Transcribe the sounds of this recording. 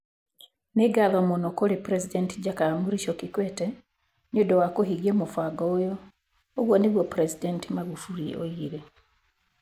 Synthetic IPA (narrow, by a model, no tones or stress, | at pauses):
neɡaðɔmonɔkoɾepɾɛsidɛntid͡ʒakaɾmuɾiʃɔkikwɛtɛ | nodɔwakoɦiɣjemofaɡɔojɔ | oɣwɔneɣwɔpɾɛsidɛntimaɣufuɾio̰iɾe